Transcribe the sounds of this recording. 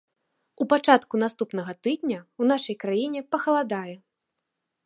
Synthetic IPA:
upat͡ʂat̪kun̪ast̪upnɐɣɐt̪ɨd̪ʲnʲɐwnaʂɐjkɾajinʲɛpɐxɐlˠad̪ajɛ

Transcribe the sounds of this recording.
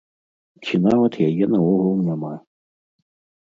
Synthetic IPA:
kʰʲinavɐt̪jajɛnɐɔɣɔŋnama

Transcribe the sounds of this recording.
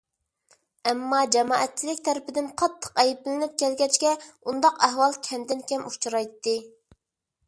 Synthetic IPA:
ɛmːɑd͡ʒɛmɑːɛt̪̚t͡ʃʰːilɪk̚ʲt̪ʰæɾɪpɪd̪ɪnqʰɑt̪ʰːə̥qɛjiplɪnɪp̚kʲɛlɡʲɛt͡ʃkʲɛund̪ɑqæɦwɑlˠkʲʰɛmd̪ɪnkʲɛmut͡ʃʰɾɑjt̪ːɨ

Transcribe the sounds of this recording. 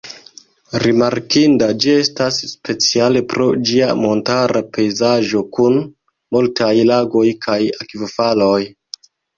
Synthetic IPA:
ɾimaɾkindad͡ʒie̞stasːpe̞t͡siale̞pɾo̞d͡ʒiamo̞ntaɾape̞jzaʒo̞kun | multʰajlaɡo̞jkʰajakivofalo̞j

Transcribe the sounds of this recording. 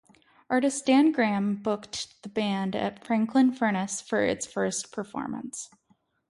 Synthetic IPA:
ʔɑɹɾɨstæ̃nɡɹæ̃mbʊktðəbæ̃ndɨ̰tfɹæ̃ŋkʰlə̃nfɜ˞ɾ̃ɨsfə̰˞ɪ̰tsfɜ˞spʰə˞fɔ̰ɹmə̰̃ns

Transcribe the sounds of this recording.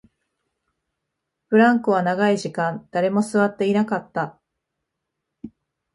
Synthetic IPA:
ɸɯ̟ɾãŋkɯβ̞anaɡaiʑikãnd̪̥aɾe̞mo̞sɨβat̪ːe̞inakat̪ːa

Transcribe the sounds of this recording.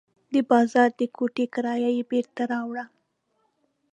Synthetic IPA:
d̪əbɑzɑɾd̪əkʰoʈekaɾɑjajebeɾt̪aɾɑwɽa

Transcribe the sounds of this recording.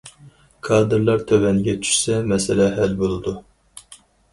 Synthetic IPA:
kʰɑːd̪ɨɾlˠɑɾt̪ʰøwɛnɡʲɛt͡ʃʰy̥ʃsɛmɛsɪlɛɦælbolˠɨd̪u

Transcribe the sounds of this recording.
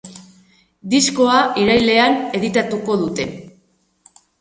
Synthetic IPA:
d̪isko̞aiɾajle̞ane̞ð̞it̪at̪uko̞ðut̪e̞

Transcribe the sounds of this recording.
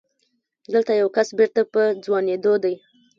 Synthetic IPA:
d̪əlt̪ajawkasbeɾt̪apəd͡zwɑned̪od̪aj

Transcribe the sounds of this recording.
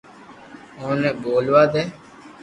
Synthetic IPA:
oːnɛːboːlʋaːd̪eː

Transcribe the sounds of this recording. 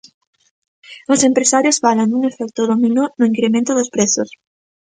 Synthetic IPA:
osempɾesaɾjosfalaŋd̪uŋefɛk̚t̪oðominonʊiŋkɾemẽnt̪ʊðʊspɾesos

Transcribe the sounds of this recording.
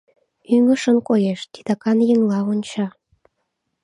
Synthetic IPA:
yŋə̆ʃə̆nkojeʃt̪i̥d̪ɑkɑnjəmlɑonʲt͡ɕɑ

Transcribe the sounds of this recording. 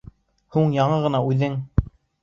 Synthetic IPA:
huɴjɑɴɤʁɤ̆nɑʉðɘŋ

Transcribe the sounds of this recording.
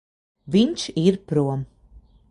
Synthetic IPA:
viɲt͡ʃiɾpɾuɔm

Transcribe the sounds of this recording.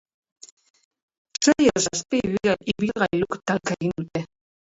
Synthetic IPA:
t͡sejesaspiβiɣaiβilɣajlukt̪alkeɣind̪ut̪e

